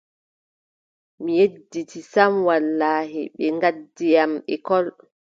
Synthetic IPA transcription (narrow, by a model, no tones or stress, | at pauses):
mijedːitisamwalːaːɦiɓɛŋɡadːijamɓɛkɔl